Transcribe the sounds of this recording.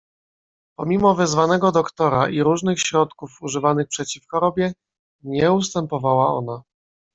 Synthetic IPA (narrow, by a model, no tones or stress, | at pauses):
pɔmʲimɔvɘzvanɛɡɔd̪ɔkt̪ɔɾaʔiɾuʐnɘxɕɾɔt̪kufuʐɘvanɘxpʂɛt͡ɕifxɔɾɔbʲjɛ | ɲɛust̪ɛmpɔvawaɔ̰na